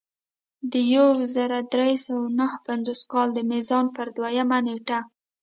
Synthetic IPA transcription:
d̪əjawzəɾad̪ɾesawanəhpanzoskɑld̪əmizɑnpəɾd̪wajamaneʈa

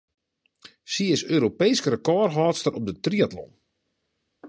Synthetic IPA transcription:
siɪsøːɾopejskəɾəkɔːrɦɔːtstərɔp̚dətriatlɔ̰n

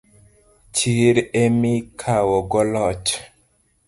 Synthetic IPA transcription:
t͡ʃiɾemikʰawɔɡɔlɔt͡ʃ

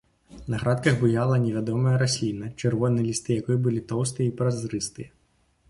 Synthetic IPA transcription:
nɐɣɾat̪̚kɐɣbɨjalˠɐnʲɛvʲad̪ɔmɐjɐɾasʲlʲinɐt͡ʂɨrvɔnɨjɛlʲist̪ɨjakɔjɛbɨlʲit̪ɔwst̪ɨjɛipɾazɾɨst̪ɨjɐ

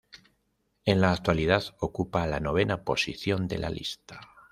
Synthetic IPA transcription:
e̞nlaːk̚t̪waliðaθo̞kupalano̞β̞e̞napo̞siθjo̞nd̪e̞̰lʔa̰lḭst̪ḁ

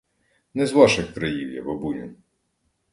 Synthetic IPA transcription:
nɛzʋɑʃɪxkɾɐjiwjɐ̰bɐbunʲʊ̰

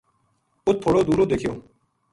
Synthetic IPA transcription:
ʊt̪ʰːoːɽoːd̪uːɾoːd̪eːkʰijoː

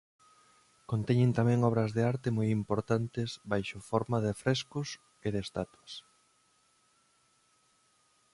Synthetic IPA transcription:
kont̪ɛɲẽnt̪amɛ̃ŋɔβ̞ɾɐzðeaɾt̪emojimpoɾt̪ant̪esbajʃʊfɔɾmaðɪfɾɛskʊs | eðest̪at̪wɐs

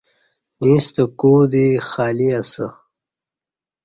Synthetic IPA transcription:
ĩst̪əkuːd̪ixaːliasə

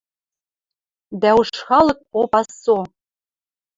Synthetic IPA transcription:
d̪æuʃχɑlˠɤ̆k̚opɑsːo

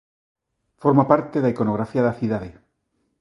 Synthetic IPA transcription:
foɾmapaɾt̪eðaikonoɣɾafiaðaθiðaðe

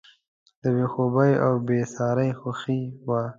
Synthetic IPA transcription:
d̪əbexobajawbesɑɾajxaxiwa

